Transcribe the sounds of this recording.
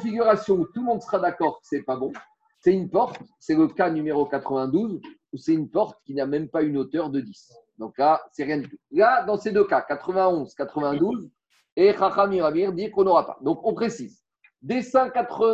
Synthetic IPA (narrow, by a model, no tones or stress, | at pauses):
fiɡʲyʁasjɔ̃ut̪ulmɔ̃d̪səʁad̪akɔʁkə̥sɛpabɔ̃ | sɛtynpɔʁt̪sɛləkanymeʁokat̪χəvɛ̃d̪uzusɛynpɔʁt̪kʲinamɛmpaynot̪œʁd̪əd̪is | d̪ɔ̃klasɛʁjɛ̃d̪ypylad̪ɑ̃sed̪økakat̪χəvɛ̃ɔ̃zkat̪χəvɛ̃d̪uz | eχaχamĩvvaviʁd̪iʁkɔ̃nɔʁapa̰d̪ɔ̃kɔ̃pχesiz | d̪esɛ̃kat̪χə